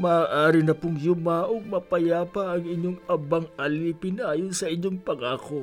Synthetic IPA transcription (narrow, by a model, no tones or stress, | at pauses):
mɐaːʔaːɾɪnɐpʊŋjʊmaʔoŋ̚mɐpɐjaːpɐɐŋɪɲoŋɐbɐŋɐliːpɪnɐʔaːjonsɐʔɪɲːoŋpɐŋaːko